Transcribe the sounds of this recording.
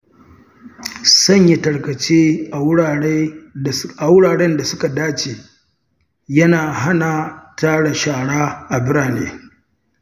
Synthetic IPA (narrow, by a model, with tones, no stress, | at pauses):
sɐ˦˨ɲja˨tɐ˨ɽkɐ˨t͡ʃeː˦ʔa˨wʊ˦ɽa˨ɽ | a˨wʊ˦ɽaː˨ɽɛ˦nda˨sʊ˦ka˨daː˦t͡ʃeː˨ | jɐ˦naː˨ɦa˦na˨taː˦ɽa˨ʃaː˨ɽaː˦ʔa˨bɪ˦ɾaː˨nḛː˦